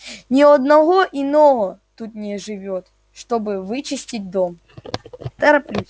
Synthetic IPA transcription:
nʲɪɐd̪nɐɣo̞ʔɪno̞vət̪ut̪nʲɪʐɨvʲot̪ | ʂt̪o̞bɨvɨt͡ɕɪsʲtʲɪt̚ʲd̪om | t̪ɛɾɐplʲu

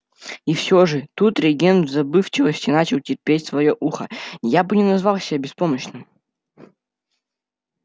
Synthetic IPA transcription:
ifsʲoʐɨt̪ut̪ɾʲɪɡʲenvzɐbɨft͡ɕɪvəsʲtʲɪnat͡ɕɪlˠtʲɪrʲpʲetʲsvɐjoʔuxəjabɨnʲɪnɐzvalˠsʲɪabʲɪspoməɕnɨm

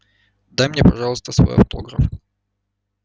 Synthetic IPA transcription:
d̪ajmnʲɛpɐʐɑlˠst̪ɐsvɔ̰jɐ̰ft̪ɔ̰ɡɾɐf

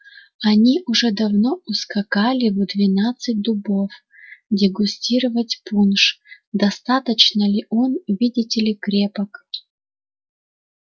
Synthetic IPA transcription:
ɐnʲiʔʊʐɛd̪ɐvnoʊskɐkalʲɪvɨd̪vʲɪnat̪sɨt̚ʲd̪ʊbof | dʲɪɡʊsʲtʲiɾəvətʲpunʂ | d̪ɐst̪at̪ət͡ɕnəlʲɪʔonʊvʲidʲɪtʲɪlʲɪkɾʲepək

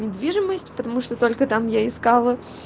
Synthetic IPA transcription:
nʲɪd̪vʲiʐɨməsʲtʲpət̪ɐmuʂt̪ot̪o̞lʲkət̪amjaɪskalˠə

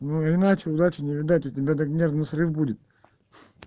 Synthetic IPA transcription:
nuɪnat͡ɕɪʊd̪at͡ɕɪnʲɪvʲɪd̪atʲʊtʲɪbʲad̪ɐɡnʲernɨsrɨfbudʲɪt̪̚

